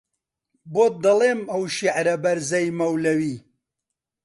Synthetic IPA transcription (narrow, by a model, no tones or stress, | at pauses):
boːt̪̚d̪ɐleːmɐwʃiʕɾɐbɐɾzɐjmɐwlɐwiː